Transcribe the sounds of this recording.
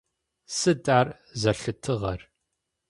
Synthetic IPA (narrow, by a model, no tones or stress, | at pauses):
sɨdʼaːr | zɐɬɨtʰɨʁɐr